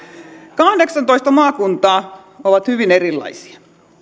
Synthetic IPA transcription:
kɑhdeksɑnt̪oist̪ɑmɑːkunt̪ɑː | oʋɑt̪hyʋineɾilːɑ̰isi̥ɑ

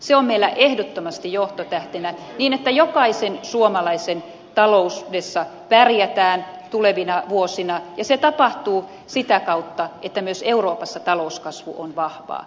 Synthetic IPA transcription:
seommeilːæʔehdot̪ːomɑst̪ijoht̪ot̪æht̪enæ | niːnet̪ːæjokɑisensuomɑlɑisen | t̪ɑlousdesːɑpærjæt̪æːn | t̪uleʋinɑʋuosinɑjɑset̪ɑpɑht̪uː | sit̪ækɑut̪ːɑʔet̪ːæmyøseuroːpɑsːɑt̪ɑlouskɑsʋṵʔonʋɑhʋɑ̰ː

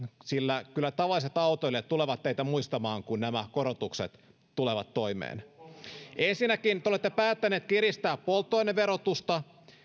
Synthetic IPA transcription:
silːækylːˑæt̪ɑʋɑlːˑiset̪ɑut̪oilːet̪t̪uleʋɑt̪t̪ːeit̪æmuist̪ɑmɑːŋkunnæmækoɾot̪ukset̪ | t̪uleʋɑt̪ːoimḛːn | ensinːækint̪eolet̪ːepæːt̪ːæneːt̪kirist̪æːppolt̪ːoineʋeɾot̪ust̪ɑ

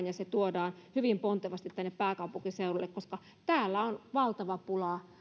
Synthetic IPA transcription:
njɑset̪uodɑːnhyʋimpont̪eʋɑst̪it̪t̪ænːeppæːkɑupuŋkiseurulːekkoskɑ | t̪æːlːæonʋɑlt̪ɑʋɑpulɑ

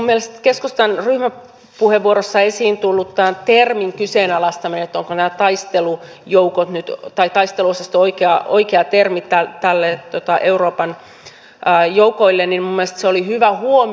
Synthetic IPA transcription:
umːielest̪keskust̪ænryhmæ | puheʋːuoɾosːɑesiːnt̪ulːut̪t̪ænt̪ermiŋkyseːnɑlɑst̪ɑmineet̪ːoŋkonæːt̪ɑist̪elu | joukot̪nyt̪t̪ɑit̪ɑist̪eluosɑst̪oikeɑoikeɑt̪ermit̪æt̪ælːet̪ot̪ɑʔeuroːpɑnː | joukoilːennimmumːielest̪seolihyʋæhuom

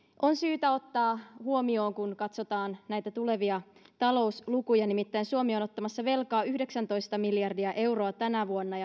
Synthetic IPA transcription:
ʔo̞nsyːt̪æo̞t̪ːɑːhuo̞mio̞ːŋkunkɑt̪so̞t̪ɑːnnæjt̪æt̪ule̞ʋiɑt̪ɑlo̞uslukujɑnimit̪ːæinsuomiono̞t̪ːɑmɑsːɑʋe̞lkɑːyhde̞ksænt̪o̞jst̪ɑmiljɑrdiæʔe̞wro̞ɑt̪ænæʋuonːɑjɑ

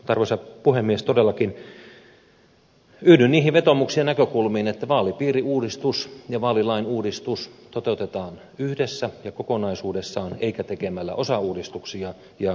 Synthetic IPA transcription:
t̪ɑrʋesɑpuhemːiest̪odelːɑkin | yːdynniːhiʋʋet̪omuksiɑnækøkulmiːnet̪ːæʋɑːlipiːriuːdist̪usjɑʋɑːlilɑinuːdist̪ust̪ot̪eut̪et̪ɑːn | yhdesːæjɑkokonɑisuːdesːɑoneikæt̪ekemælːæ̰ʔosɑuːdist̪uksiɑ | jɑ

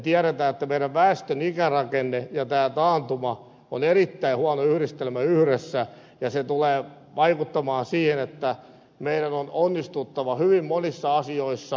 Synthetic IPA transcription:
t̪iæɾet̪æːet̪ːæmeiɾæʋʋæːst̪ønikærɑkenːejɑt̪æːt̪ɑːnt̪umɑ | o̰neɾit̪ːæihuɑnoyhɾist̪elmæyhɾesːæ | jɑset̪uleː | ʋɑikut̪ːɑmɑːnsiːhenet̪ːæ | meiɾænononːist̪ut̪ːɑʋɑhyʋimmonisːɑɑsioisːɑ

